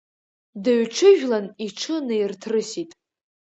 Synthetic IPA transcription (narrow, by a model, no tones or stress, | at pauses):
daɥʈ͡ʂʰɨʒᶣlaniʈ͡ʂʰɨnɨjrtʰrɨsitʼ